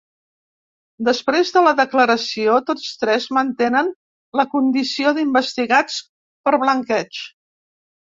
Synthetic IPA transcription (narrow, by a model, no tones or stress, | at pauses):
d̪əspɾezðələðəkləɾəsiot̪ot͡st̪ɾɛzmənt̪enən | ləkund̪isioðimbəst̪iɣat͡s | pəɾβləŋkɛt͡ʃ